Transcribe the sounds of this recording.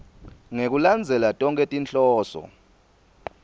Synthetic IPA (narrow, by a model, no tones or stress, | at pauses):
ŋek̬uland͡zʱɛlatʼɔŋkʼetʼint͡ɬʼɔːsɔ̰